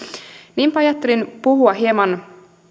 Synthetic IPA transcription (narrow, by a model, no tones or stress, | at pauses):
niːmpɑjɑt̪ːelinpuhuɑɦiemɑn